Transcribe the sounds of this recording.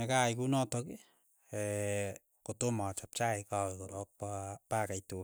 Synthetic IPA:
ɛkajkunɔtɔke | ɛ | kotomat͡ʃap̚t͡ʃaikawɛkɔɾɔk̚papakajto

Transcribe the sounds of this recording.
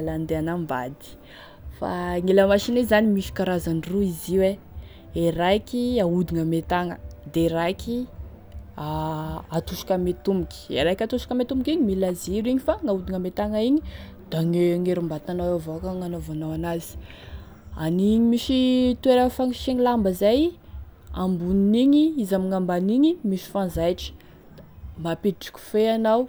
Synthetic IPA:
aland̪eanamba̰d̪i̥ | fa̰ŋeləmaʃinizanimiʃi̥kaɾazaniruiziwe | eɾakʲiaud̪iŋamet̪aŋə̰d̪eɾakʰi | aat̪uʃḁkamet̪umikʲi̥ḛɾakʲat̪uʃḁkamet̪umbikʲiɲimilaziɾiɲifaŋaud̪iŋamet̪aŋaiɲi | d̪̥aŋeŋeɾumbat̪anawavokaŋanavanawanazi̥ | aniɲimiʃit̪uweɾəfaŋiʃiŋilambəzaj | a̰mbuniniɲiizamiŋambaniɲimiʃi̥fanzajʈ͡ʂi̥ | mapiʈ͡ʂi̥kʲu̥feanaw

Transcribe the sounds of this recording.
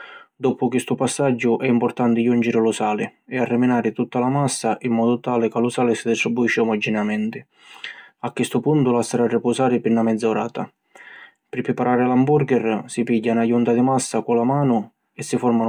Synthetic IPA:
d̪ɔpʊkist̪ʊpasːad͡ʒːʊʔɛimpʊrt̪ant̪ɪjund͡ʒɪɾɪlʊsaːlɪɛarːɪminaːɾɪt̪ut̪ːalamasːaʔimːɔːd̪ʊt̪aːlɪkalʊsaːlɪsid̪ist̪ɾibuiʃːɪumɔd͡ʒːinamɛnt̪ɪ | akːist̪ʊpunt̪ʊlast̪aɾarːɪpɔsaːɾɪpinːamɛd̪zːaoɾaːt̪a | pɪɾpːɾɪpaɾaːɾɪlambuɾɡɛrsipiɟːanajunt̪ad̪ɪmasːakʊlamaːnʊ | ɛsːifɔɾman

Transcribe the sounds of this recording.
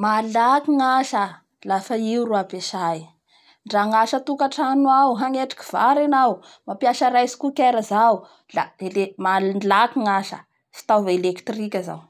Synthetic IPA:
malakiŋaʃə | lafaiuruapeʃaj | ɳɖ͡ʐaŋaʃət̪ukaʈ͡ʂanuawɦaŋeʈ͡ʂi̥ki̥v̥aɾenaw | mapiaʃaɾajsi̥kukeɾəzau | laelemanlakiŋaʃə̰ | fi̥t̪awvelekt̪rikʲəza̰w

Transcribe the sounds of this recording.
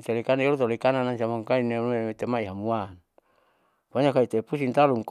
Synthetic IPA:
t͡ʃalikanaiolut̪olikananaŋsamaŋkaineet̪emaiɦamuan | paɲakait̪epusint̪aluŋk

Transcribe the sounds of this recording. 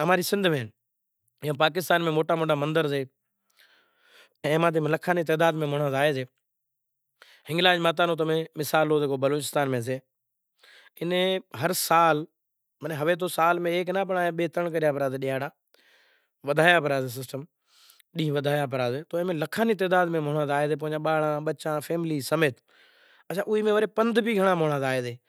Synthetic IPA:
əmaːɾiːsɪ̃nd̪ʱmẽːn | jõːpaːk̬ɪst̪aːnmẽːmoːʈaːmoːʈaːmənd̪əɾseː | ɛ̃ːmaːt̪eːmləkʰaːniːt̪̬ɛːd̪aːd̪mẽːmʊɳãːzaːeːzeː | hɪ̃ŋɡlaːd͡ʒmaːt̪̬aːnõːt̪̬əmẽːmɪsaːloːzeːkoːbəloːt͡ʃɪst̪aːnmẽːseː | ɪnẽːɦəɾsaːl | məneːɦəʋeːt̪̬ʰoːsaːlmẽeːknãːp̬əɳaːeːɓeːt̪əɳkəɾɪjaːpəɾaːd̪eːɗɪjaːɽaː | ʋəd̪ʱaːjaːpəɾaːzeːs̬ɪsʈəm | ɗĩːʋəd̪ʱaːjaːpəɾaːzeːt̪oːmẽːləkʰaːniːt̪̬eːd̪aːd̪mẽːmoːɳaːzaːeːzeːp̬õːɪ̃ɲd͡ʒãːɓaːɽãːɓətːt͡ʃãːfʰeːmɪliːsəmeːt̪ | ət͡ʃʰãːʔʊiːmẽːʋəɾeːpənd̪biːɡʱəɳãːmoːɳaːzaːeːzeː

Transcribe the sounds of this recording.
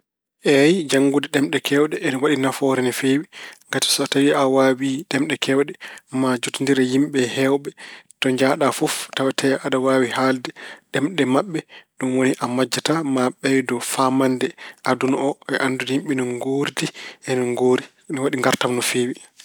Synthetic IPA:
ʔɛjd͡ʒaŋɡudɛɗɛmɗɛkʰɛwɗɛʔɛnɔwaɗinafɔɾɛnɛfewiŋɡati̥sɔtawiʔawawiɗɛmɗɛkʰɛwɗɛmad͡ʒutindiɾɛjimɓɛhɛwɓɛtɔɲd͡ʒaɗafɔftawɛtʰɛʔaɗawaːwihaldɛɗɛmɗɛmaɓːɛɗumwoniʔamad͡ʒːatamaɓɛjdɔfamandɛʔadunɔʔɛʔanduhimɓɛnunɡoɾdiʔɛnɔŋɡoːɾi | nɔwaɗiŋɡaɾtamnɔfeːwi

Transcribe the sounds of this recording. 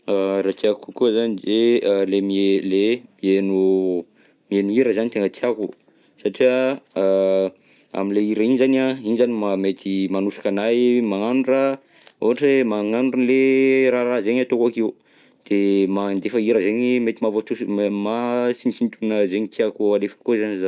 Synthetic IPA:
aɾat̪iakkukuzanizelemielemienu | mienuiɾəzanit̪eŋət̪iaku | saʈ͡ʂiə | a̰minleiɾəinizanainzanimamet̪imanusḁkanajmaŋanuɖ͡ʐə | oɦaʈ͡ʂemaŋanuɖ͡ʐunleɾaɾazeɲat̪okakiu | d̪̥emand̪efəiɾəzeɲimet̪imavot̪umasint͡ʃint̪unəzeɲit̪iakualefə̥kozaniza

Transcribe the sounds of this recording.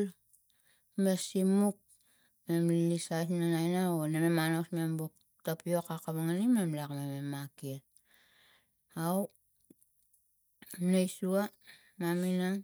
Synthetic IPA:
l | mesimuk̚ | me̞mlisajsnanajnaonememanosme̞mbuk̚ | tapio̞kakaβaŋanime̞mlakmememakiel | aw | nejsua | maminaŋ

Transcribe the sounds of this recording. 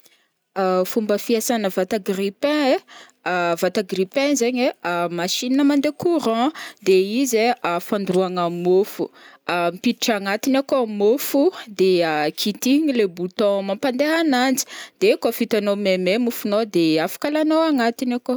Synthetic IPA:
afumbəfiasanəvat̪aɡripɛ̃e | vat̪aɡripɛ̃zaɲeamaʃininəmãnd̪ekuɾɑ̃d̪eizeafãnd̪ruaŋəmofṵamipiiʈ͡ʂaŋat̪inakomofud̪eakʰit̪iɲilebut̪ɔ̃mãmpand̪eɦanand͡zi̥d̪̥ekofit̪anomememufunod̪eafḁkalanowaŋat̪inako

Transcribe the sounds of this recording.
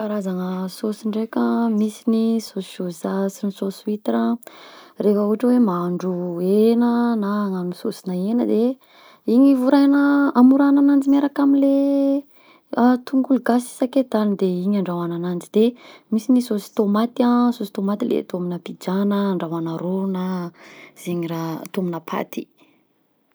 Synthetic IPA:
kaɾazaŋəsosiɳɖ͡ʐekʲamisinisosozasinisosuwit̪ɾa | refəuaʈ͡ʂəwemaɳɖ͡ʐuenənaŋamisosi̥naenəd̪e | iɲivuɾajnəamuɾananand͡zimeɾakamile | at̪ʰuŋɡuluɡasi̥saked̪and̪eiɲaɳɖ͡ʐawananand͡zid̪̥emisinisosi̥t̪omat̪iãsosi̥t̪omat̪ilḛt̪ominəpid͡ʒanəːɳɖ͡ʐawanaɾona | z̥eɲiɾat̪ominəpʰa̰t̪i̥

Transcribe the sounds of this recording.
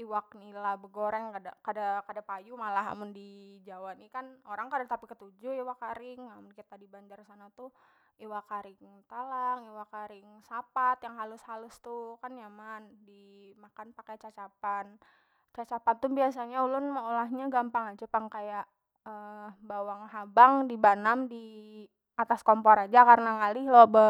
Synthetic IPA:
iwak̚nilabəɡoɾɛŋkada̰kadakadapajumalaɦa̰mʊndid͡ʒawanikanoɾaŋkadat̪apikət̪ud͡ʒʊiwakaɾɪŋamʊnkit̪adibaɲd͡ʒarsanat̪u | iwakaɾɪŋt̪alaŋiwakaɾɪŋsapat̪jaŋɦalʊshalʊst̪ukanjamandimakanpakat͡ʃat͡ʃapan | t͡ʃat͡ʃapant̪ʊbiasaɲaulʊnməolahɲaɡampaŋad͡ʒapaŋkajaʔ | əbawaŋɦabaŋdibanamdi | at̪askompɔɾad͡ʒakarnaŋalɪhlɔbə

